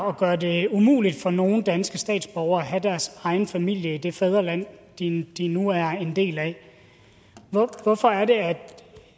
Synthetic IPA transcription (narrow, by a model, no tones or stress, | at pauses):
ɒ̽ɡ̥ɶːɐde̝umṵːlid̥fɒ̽no̝ːn̩d̥ænsɡ̥əsd̥ɛ̰ːd̥sb̥ɒʊɐæɦæd̥æɐsɑ̈ɪn̩fæmil̰jəid̥e̝fɛð̞ˠʁɐlæn̰d̥id̥inuæɐe̝nde̝̰ːlæ | ʋɒfɒ̽æɐɾe̝æd̥